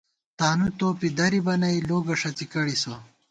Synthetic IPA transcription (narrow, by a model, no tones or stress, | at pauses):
t̪aːnut̪oːpid̪ɐɾibɐnɐjloːɡɐʂɐt͡sikɐɽisɐ